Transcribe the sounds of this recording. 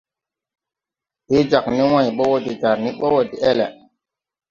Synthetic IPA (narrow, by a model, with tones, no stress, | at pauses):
he˦d͡ʒa˨kni˦wã˦˨jɓɔ˦wɔ˦di˨ta˨ɾni˦ɓɔ˦wɔ˨di˨ɛ˦lɛ˨